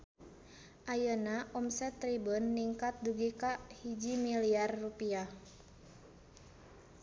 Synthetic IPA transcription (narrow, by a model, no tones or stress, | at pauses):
ʔajənaʔɔmsɛt̪ːɾibunːiŋkat̪̚duɡikaʔhid͡ʒimiliarːupiah